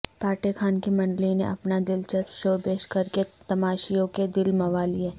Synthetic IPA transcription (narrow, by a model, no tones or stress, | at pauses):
paːʈekʰaːnkimɐ̃ɳɖlinḛʔɐpnad̪ɪlt͡ʃɐsʃoːpeːʃkɐɾket̪ɐmaːʃijõked̪ɪlmɐʋaːlieː